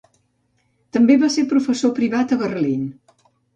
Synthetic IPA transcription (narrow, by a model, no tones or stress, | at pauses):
t̪əmbeβasepɾufəsopɾiβat̪əɣərlin